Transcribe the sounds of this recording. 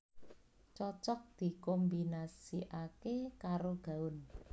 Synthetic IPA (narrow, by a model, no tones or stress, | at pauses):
t͡ʃɔt͡ʃɔk̚d̪̥i̤kɔmbinasiʔakekaɾoɡ̥a̤ʊn